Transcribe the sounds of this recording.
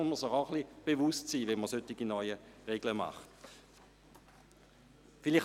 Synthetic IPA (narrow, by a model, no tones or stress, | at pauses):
məsɪχaʊχlib̥evustsiːvɛnməsøtːiɡinɔʏəʁeɡləma̰χt | filiχ